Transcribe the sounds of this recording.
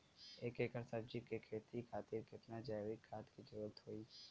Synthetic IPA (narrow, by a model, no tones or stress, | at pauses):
eːkekəɾsəbd͡ʒikekʰeːt̪ikʰaːt̪iːɾkɪt̪nad͡ʒajʋɪkʰːaːt̪kid͡ʒəɾət̪ɦoːiː